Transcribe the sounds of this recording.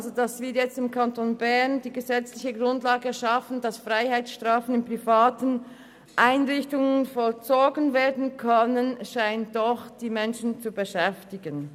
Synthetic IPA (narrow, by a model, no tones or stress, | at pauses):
ʔalzodasv̥ɪːjɛt͡stɪmkʰantoːnbɛɐndiːɡəzɛt͡slɪçəɡʁʊndlaːɡəʃafən̩dasfʁaɪhaɪt͡ssʃtʁ̥aːfənɪnpʁ̥ifaːtən | ʔaɪnʁɪçtʊŋənfɔlt͡soːɡənveːɐdn̩kʰœnənʃaɪnt̚d̥ɔχd̥iːmɛnʃn̩t͡subəʃɛftɪɡən